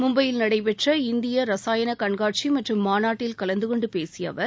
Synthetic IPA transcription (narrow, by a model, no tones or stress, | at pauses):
mʊmbɐjɪlnɐɽɐɪpɛʈrɐɪnd̪ɪjɐɾɐsaːjɐnɐkɐɳɡaːʈ̚t͡ʃimɐʈrɯmːaːnaːʈːɪlkɐlɐnd̪ɯkɔɳɖɯpeːsɪjɐ̰ʋɐɾ